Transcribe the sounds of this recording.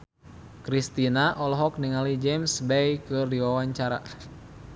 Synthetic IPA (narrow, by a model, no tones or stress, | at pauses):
kɾist̪inaʔɔlɔɦɔk̚niŋalid͡ʒɛmsbɛjkɨrdiwawaɲt͡ʃaɾa̰